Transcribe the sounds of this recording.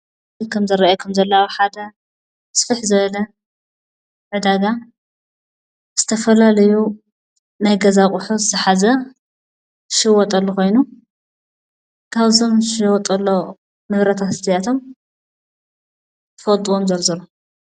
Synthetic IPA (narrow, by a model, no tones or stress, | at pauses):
kʰɐmzɐɾɐʔjɐkʰɐmzɐlːawħad̪ɐ | sfɨħzɨβɐlɐ | ʕɨd̪aɡa | z̥ɨt̪ʰɐfɐlalɐju | najɡɐzakʼʊħuzɨzɨħazɐ | ʃɨwɔt̪ʼɐlːoko̞jnu | kʰaβzo̞mʃɨwɔt̪ʼɐlːo̞ | mɨβɾɐt̪ʰat̪ɨst̪ʰɐjat̪ʰo̞m | t̪ʰfɐt̪ʼuwomzɐlzɐlo